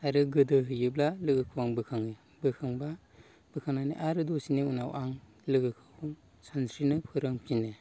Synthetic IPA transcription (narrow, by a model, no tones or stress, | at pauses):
aɾɯɡɯdɯɦɯjɯblalɯɡɯkʰɯwaŋbɯkʰaŋɯ | bɯkʰɯŋba | b̥ɯkʰaŋnanḭʔaɾɯdɔsiniunawʔaŋ | lɯɡɯkʰɯŋ | sansʰɾinɯpʰɯɾɯŋpʰine